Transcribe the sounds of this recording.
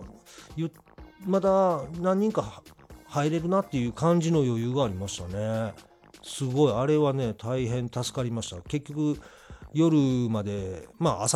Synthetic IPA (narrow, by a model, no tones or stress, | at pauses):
jɯ | mat̪anãɲ̟ːĩŋkahaiɾe̞ɾɯ̟nat̪ːe̞jɯ̟ːkãɲ̟d͡ʑino̞jo̞jɯːɡaːɾʲimaɕi̥t̪ane̞ | sɨɡo̞iaɾe̞βane̞t̪ʰaiɦẽ̞nt̪asɨ̥kaɾʲimaɕi̥t̪a̰ke̞kʲːo̞kɯ̟ | jo̞ɾɯ̟mad̪e̞maas